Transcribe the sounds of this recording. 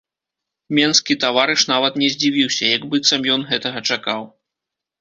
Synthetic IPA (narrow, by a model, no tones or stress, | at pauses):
mʲɛnskʲit̪avaɾɨʂnavɐt̪nʲɛzʲd͡zʲivʲiwsʲɐjaɡbɨt̪sɐmjɔnɣɛt̪ɐɣɐt͡ʂakaw